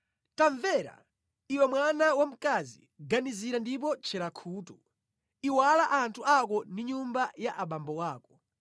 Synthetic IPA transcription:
taɱvɛɾa̰ | iwɛmwanawam̩kazḭ | ɡaniziɾandip̬ɔt͡ʃʰɛɾakʰuːtu | iwalaʔantʰuak̬ɔndiɲumbajaʔaɓambɔwaːkɔ̥

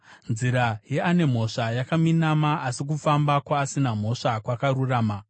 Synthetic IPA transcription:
nziɾaje̞ane̞m̤o̞ʂajakaminamaasik̬ufambakwaːsinam̤o̞ʂakwakaɾuraːma

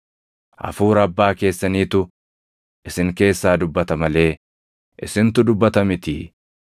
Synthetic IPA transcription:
ʔɐ̰fuːɾɐbːaːke̞ːsːɐniːt̪ʊ | ʔɪsɪŋke̞ːsːaːd̪ʊbːɐt̪ɐmɐle̞ː | ʔɪsɪnt̪ʊd̪ʊbːɐt̪ɐmɪt̪ḭː

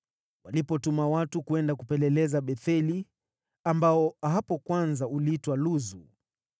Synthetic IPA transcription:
walipɔtumawatukuɛndakupɛlɛlɛzaɓɛθɛli | ambaɔaɦapɔkwanzauliitwaluzu

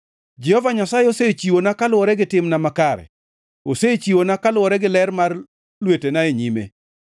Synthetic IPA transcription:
d͡ʒɛhɔvaɲasajeoset͡ʃiwonakalʊɔɾɛɡɪtɪmnamakaɾɛ̰ | oset͡ʃiwonakalwɔɾɛɡɪlɛrmar | lwetenaeɲimḛ

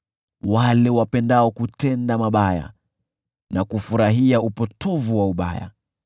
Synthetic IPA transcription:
walɛwapɛndaɔkutɛndamaɓaja̰ | nakufuɾaɦiaupɔtʰɔvuwauɓa̰ja̰

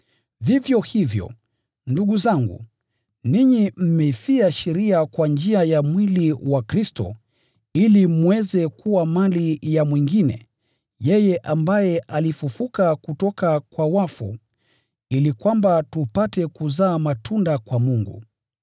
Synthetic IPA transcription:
vivjɔhivjɔ̰ | nduɠuzaŋɡṵ | niɲim̩mɛifiaʃɛɾiakwand͡ʒiajamwiliwakɾistɔ̰ | ilimwɛzɛkuwamalijamwiŋɡinɛ̰ | jɛjɛʔambajɛʔalifufukakutɔkakwawafṵ | ilikwambatupatɛkuzaːmatʰundakwamuŋɡṵ

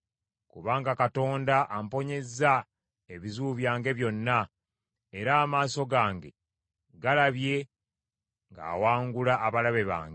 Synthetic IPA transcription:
kuβaːŋɡakato̞ːndaʔampo̞ɲe̞zːa | eβizuːβjaːŋɡe̞βjo̞nːa | eɾaːmaːso̞ɡaːŋɡe̞ | ɡalaβje̞ | ŋɡa̰ːwaːŋɡulaːβalaβe̞βa̰ːŋɡ

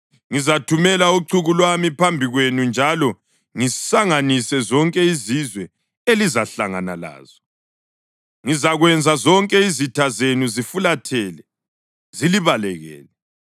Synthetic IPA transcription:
ŋizatʰumɛlauǀʰuɣulwamipʰambʱiɣwenund͡ʒʱalɔ | ŋisaŋanisɛzɔŋkʼɛizizwɛ | elizaɬaŋa̰na̰la̰ːz̥ɔ | ŋizaɣwɛnd͡zʱazɔŋkʼɛizitʰazenuzifulatʰɛlɛ | ziliβalɛɣɛ̰ːlɛ

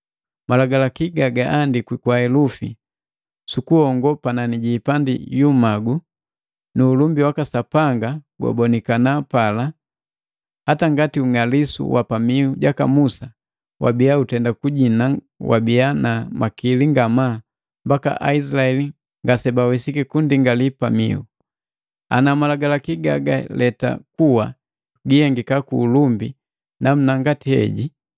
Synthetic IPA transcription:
malaɡalakiɡaɡaʔːndikwikwaɛlufḭ | sukuhɔŋɡɔpananiɟiːpandḭjumaɡu | nuːlumbiwakasapaŋɡaɡwɔ̰bɔnikanapala | hataŋɡatiuŋalisṵwʔapamiuɟakamusa | wʔa̰bijautɛndakuɟina | wa̰bianamʔakiliŋɡamaː | mbaka̰ʔa̰is̬laɛli | ŋɡasɛbawɛsikikundiŋɡalipamḭu | a̰namalaɡalakiɡaɡa̰lɛta̰kuwa | ɡihɛŋɡikakuːlumbi | nam̩naŋɡatihɛ̰ɟi

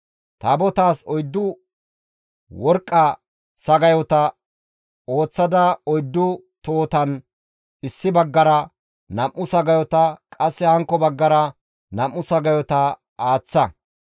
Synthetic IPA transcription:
t̪ɐːbɔt̪aːsɔjd̪ːʊ | wɔɾkʼːɐ | sɐɡɐjɔt̪ɐ | o̞ːt͡sːɐd̪ɐɔjd̪ːʊ | t̪oːt̪ɐn | ɪsːɪbɐɡːɐɾɐ | nɐmʔːʊsɐɡɐjɔt̪ɐkʼɐsːɛhɐŋkːɔbɐɡːɐɾɐ | nɐmːʊsɐɡɐjɔt̪ɐ | aːt͡sːɐ

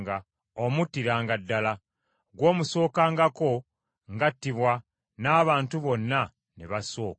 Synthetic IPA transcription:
ɡa | omutːiɾaːŋɡadːala | ɡwo̞ːmuso̞ːkaːŋɡako̞ | ŋɡatːiβwa | naːβaːntuβo̞nːa | niβaso̞ːk

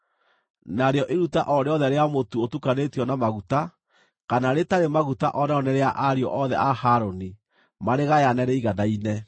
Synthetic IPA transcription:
naɾeɔʔeɾutaʔɔɾeɔðɛɾeamotuotukanetiɔnamaɣuta | kanaɾetaɾemaɣuta̰ʔɔnɛɔnɛɾeaʔaɾeɔ̰ʔɔðɛ̰ahaɾoni | maɾeɣajanɛɾɛiɣadainɛ

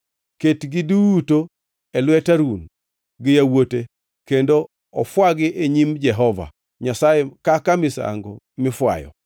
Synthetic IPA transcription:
ketɡɪduwuto | ɛlwɛtaɾun | ɡɪjawote | kendo | ɔfwaɡɪʔeɲimd͡ʒɛɦɔva̰ | ɲasajekakamɪsa̰ŋɡo | mɪfwa̰jɔ̰

